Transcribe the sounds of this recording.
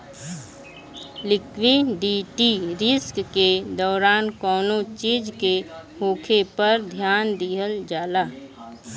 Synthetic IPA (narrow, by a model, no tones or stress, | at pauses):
lɪkʰʋiɖiːʈiɾɪskːed̪ɔːɾaːnkɔːnõt͡ʃiːd͡ʒkehoːkʰepəɾd̪ʱjaːnd̪iɦəld͡ʒaːlaː